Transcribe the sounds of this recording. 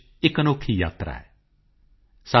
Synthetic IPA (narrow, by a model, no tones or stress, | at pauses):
ɪkənoːkʰːiːja̰ːt̪ɾa̰ːɛː | sa